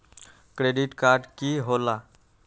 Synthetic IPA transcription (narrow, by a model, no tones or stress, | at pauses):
kɾeɖiʈkaɾɖkiɦola